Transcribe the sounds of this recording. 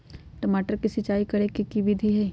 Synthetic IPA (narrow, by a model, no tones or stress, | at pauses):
ʈɐmaːʈəɾkisɪt͡ʃaːikɐɾekikiʋɪd̪ʱiɦɛː